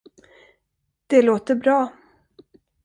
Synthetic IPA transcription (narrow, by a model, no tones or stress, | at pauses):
d̪̥ɛloːt̪əɾbɾɑː